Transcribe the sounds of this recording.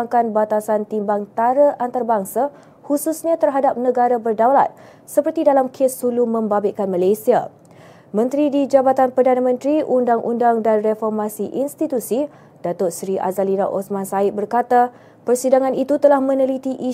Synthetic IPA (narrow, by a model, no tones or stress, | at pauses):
ŋkanbat̪asant̪imbaŋt̪aɾaʔant̪aɾbaŋsa | hususɲãt̪ərɦadap̚nə̃ɡaɾabərdawla̰t̪̚ | səpərt̪idalamkʰesulumə̃mbabekanmalajsia̰ | mə̃nt̪ɾidid͡ʒabat̪anpərdanamə̃nt̪ɾiʔundaŋʔṵndaŋdanrefɔrmasiʔinst̪it̪usi | d̥at̪ʊt̪sɾiʔa̰zalinaʔosmãnsaiʔ̚bərkat̪a | pərsidaŋãnit̪ut̪əlahmə̃nəlit̪iʔi